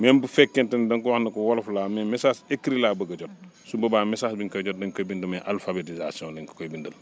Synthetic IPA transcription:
mɛnbufɛkːɛntɐndɐŋkuwahnɐkuwɔlflaːmɛmɛsaːsekːiɾilaːbɐɡɐɟɔt̚sumbɐbaːmɛsaːsbiŋkɐɟɔt̚dɐŋkojbindumɛʔalfabetizasiɔ̃ːlɐŋkkojbindɐl

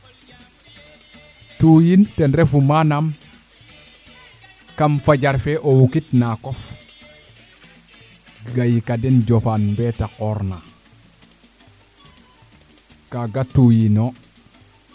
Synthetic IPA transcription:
tujintenɾefumanam | kamfaɟaɾfeʔowukitnakof | ɡɡajikadenɟofanmbetakoɾna | kaɡatujino

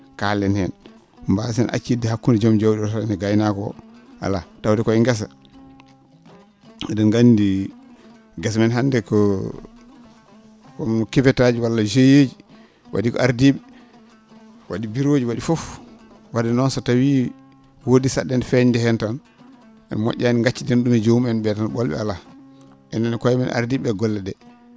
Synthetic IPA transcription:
kalːɛnhɛn | mbasinʔa̰t͡ʃːidihakːunid͡ʒɔmd͡ʒawdtanɛɡajnakɔ̰a̰latawdɛkɔiŋɡɛs̬a | dɔnɡandi | ɡasmɛnɦandɛkɔ | kɔmkifɛtad͡ʒiwalːad͡ʒejed͡ʒi | wʔa̰dikɔ̰ʔaɾdiɓɛ | waɗibiɾod͡ʒiwaɗifɔf | wadɛnɔnsatawiː | woːdisaɗːɛnfɛɲdɛhɛntan | ɛ̰nmɔ̰ʔʲːaniŋɡat͡ʃːidenɗumɛd͡ʒowmiɛnɓɛtanɓɔlɓɛ̰ala | ʔɛnɛnɛkɔɛmɛnʔa̰ɾdiɓɛɡɔlːɛdɛ

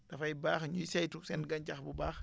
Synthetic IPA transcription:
dɐfɐjbaːxɲusɐjtuksɛnɡɐncɐxbubaːx

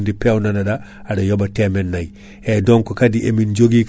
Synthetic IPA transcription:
ndipewnanada | adajobatemenːaj | edoŋkokadiʔemind͡ʒoɡik

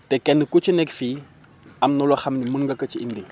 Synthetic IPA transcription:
tekenikut͡ʃinekfi | amnolwaxamnimunŋɡakət͡ʃiḭndi

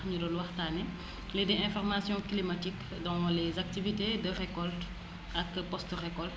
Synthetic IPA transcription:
ɲudɔlwɐxtaːnɛ | lɛdɛɛ̃fɔʁmasjɔ̃klimatik | dɔ̃wɐlɛzak̚tivitedəʁekɔlt | ɐkpɔstʁɛkɔl

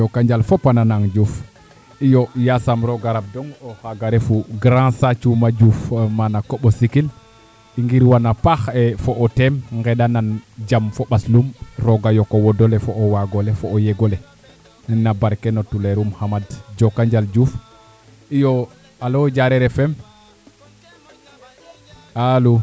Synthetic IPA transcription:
d͡ʒokːaɲd͡ʒalfɔpananaŋd͡ʒuf | ijɔjasamɾɔɡaɾab̚dɔŋohaɡaɾefuɡɾãsat͡ʃumad͡ʒufmanakoɓosikil | iŋɡiɾwanapaxɛfoʔɔtɛmŋɡɛdanand͡ʒamfoɓaslumɾɔɡajɔkɔwɔdɔlɛfɔʔɔwaɡɔlɛfɔːjɛɡɔlɛ | nɛnːabaɾkɛnɔtulɛɾumhamadd͡ʒɔkːaɲd͡ʒald͡ʒuf | ijɔ | alɔd͡ʒaɾɛɾɛfɛm | alu

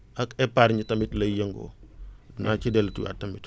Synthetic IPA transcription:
ʔɐkɛpaɾɲitɐmitlɐjəŋɡɔ̰nat͡ʃidɛltṵwa̰tːɐmit

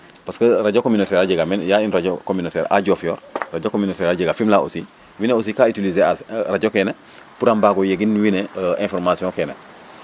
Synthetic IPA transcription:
paskəɾaɟokominotɛɾaɟeɡamenjainɾaɟokominotɛ̰ːɾa̰ɟofjoːɾraɟokominotɛːɾaɟeɡafimlao̰si | wineos̬ikaitilizeasɾaɟokeːne | puɾambaːɡojeɡinːiwineẽnfoɾmasijõkeːne

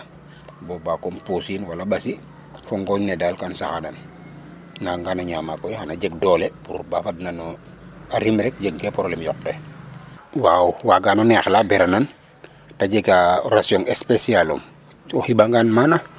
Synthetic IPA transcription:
bobakomposinwalaɓasi | foŋɡɔɲnedalkansaxanan | naŋɡanaɲamakɔjhanaɟeɡdɔːlebuɾubafadnano | aɾimɾɛk̚d͡ʒeɡ̚ɡepɔɾɔlɛmjɔk̚tɛ | wawuwaɡanɔnɛxlabɛɾanan | taɟeɡarasjɔŋespesialo̰m | ohibaŋɡanmana

